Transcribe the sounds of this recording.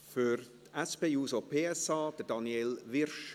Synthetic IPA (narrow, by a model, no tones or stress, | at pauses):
fyɾtɛspeːjuːsopʰeːɛsɑːd̥̪ədɑnjelʋɪɾʃ